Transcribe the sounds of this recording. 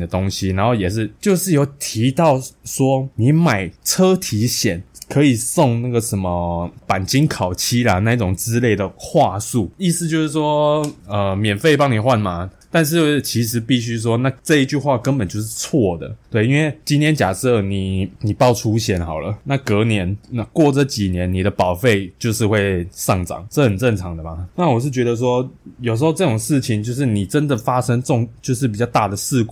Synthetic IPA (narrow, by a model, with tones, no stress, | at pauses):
d̪ə˩t̪o˥ŋɕi˧na˧˦nxo˥˩ʊjɛ˨˩ʂ̬ɻ̩˥˧t͡ɕjo˥˧ʊʂɻ̩˥˩jo˧˩ʊt̪ʰi˧˥˦t̪ɑ˥˨˩ʊʂwɔ˥ni˨˦ma˨˩ɪʈ͡ʂʰɤ˥t̪ʰi˧˥ɕjɛ̰˨˩˦nkʰɤ˧˥i˨˩sɔ˥˧ŋna˥˩ɡə˩ʂə˧˦nmə˧pa˨˩nt͡ɕi˥nkʰɑ˨˩ʊt͡ɕʰi˥la˨na˥˧i˥˩ʈ͡ʂʊ˨˩ŋt͡sɹ̩˥le˥˩ɪd̪ə˩xwa˥˧su˥˩i˥˧sɹ̩˥˧t͡ɕjo˥˧ʊʂɻ̩˥˩ʂwɔ˥ə˩mjɛ˨˩nfe˥˩ɪpɑ˥ŋni˨˩xwa˥˩nma˨t̪a˥˧nʂ̬ɻ̩˥˧t͡ɕʰi˧˥ʂ̬ɻ̩˧˥pi˥˩ɕ̬y˥ʂ̬wɔ˥na˥˧ʈ͡ʂɤ˥˧i˥˧t͡ɕy˥˧xwa˥˩kə˦npə˨˩nt͡ɕjo˥˧ʊʂ̬ɻ̩˥˧t͡sʰwɔ˥˩d̪ə̰˩t̪we˥˩ɪi˦nwe˥˩ɪt͡ɕi˥nt̪ʰjɛ˥nt͡ɕja̰˨˩sɤ˥˩ni˨˩ni˨˩pɑ˥˧ʊʈ͡ʂʰu˥ɕjɛ˥˩nxɑ˨˩ʊlə˦na˥˩kɤ˧˥njɛ˧˦nna˥˧kwɔ˥˨ʈ͡ʂə˥˩t͡ɕi˨˩njɛ˧˦nni˨˩ɾə˦pɑ˨˩ʊfe˥˩ɪt͡ɕjo˥˧ʊʂɻ̩˥˧xwe˥˧ɪʂɑ˥˩ŋʈ͡ʂɑ̰˨˩ŋʈ͡ʂə˥˩xə˨˩nt͡sə˥˩ŋʈ͡ʂʰɑ˧˥ŋd̪ə˨ma˨˩na˥˨wɔ˨˩ʂ̬ɻ̩˥˩t͡ɕɥɛ˧˥d̪ə˧s̬wɔ˦˥jo˨˩ʂ̬ɻ̩˧˥xo˥˧ʊʈ͡ʂɤ˥˩ʈ͡ʂʊ˨˩ŋʂɻ̩˥˩t͡ɕʰi˨ŋt͡ɕjo˥˧ʊʂ̬ɻ̩˥˩ni˨˩ʈ͡ʂə˦nd̪ə˨˩fa˥ʂə˥ŋʈ͡ʂʊ˥˧ŋt͡ɕjo˥˧ʊʂɻ̩˥˩p̬i˨˩t͡ɕɑ˥˧t̪a˥˩d̪ə˩sɹ̩˥˧k